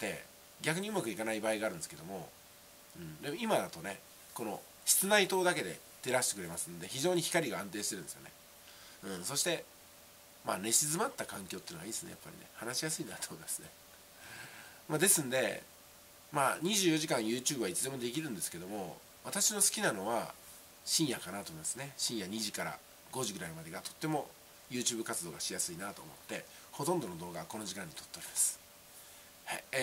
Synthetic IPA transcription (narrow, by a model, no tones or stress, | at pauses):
t̪ːe̞̰ | ɡʲak̬ɯ̟ɲ̟iɯ̟makɯ̟ikanaibaːiɡaːɾɯ̃nsɨ̥ke̞d̪o̞mo̞̰ | ɯ̟̃ɴd̪e̞mo̞imad̪at̪o̞ne̞ | ko̞no̞ | ɕi̥t͡sɨnait̪o̞ːd̪ake̞d̪e̞̰ | t̪e̞ɾaɕi̥t̪e̞kɯ̟ɾe̞masɨnod̪e̞çiʑo̞ːɲ̟içi̥kaɾʲiɡaãnt̪e̞ːɕit̪e̞ɾɯ̟nesjone̞̰ | ɯ̟̃so̞ɕi̥t̪e̞ | ma̰ːne̞ɕizɨmat̪ːakãŋkʲo̞ːt̪ːeɨːnoaiːesɨne̞ja̰pːa̰ɾʲḭne̞̰hanaɕijasɨinat̪oːmo̞imasɨne̞ | mad̪e̞sɨ̃nd̪e̞ | maɲ̟iʑɨːjo̞ʑikãɰ̃jɯ̟ːt͡ɕɨːbɯ̟βait͡sɨd̪e̞mo̞d̪e̞kʲiɾɯ̟̃nd̪esɨ̥ke̞d̪o̞mo̞̰ | βat̪aɕino̞sɨ̥kʲinano̞βa̰ | ɕĩɰ̃jakanat̪oːmiimasɨne̞ɕĩjaɲ̟iʑikaɾa̰ | ɡ̥o̞ʑiɡɯ̟ɾaimad̪eɡat̪o̞̥t̪ːe̞mo̞ | jɯ̟ːt͡ɕɨːbɯ̟kat͡sɨd̪o̞ːɡaɕijasɨinat̪o̞ːmo̞̰t̪ːe̞ | ho̞t̪õnd̪o̞no̞d̪o̞ːɡako̞no̞ʑikãɲ̟ːit̪o̞t̪ːe̞oɾimasɨ̥ | ha